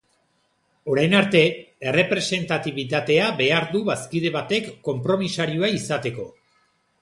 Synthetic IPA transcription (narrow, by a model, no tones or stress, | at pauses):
o̞ɾajnaɾt̪e̞ere̞pɾe̞se̞nt̪at̪iβ̞it̪at̪e̞abe̞aɾd̪uβaskiðe̞βat̪e̞kːo̞mpɾo̞misaɾioaisat̪e̞ko̞̰